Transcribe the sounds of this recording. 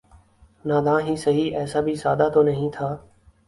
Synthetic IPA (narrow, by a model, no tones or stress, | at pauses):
naːd̪ãːɦĩːsəɦiːʔɛːsaːbʱiːsaːd̪aːt̪ʰoːnəɦĩːt̪ʰaː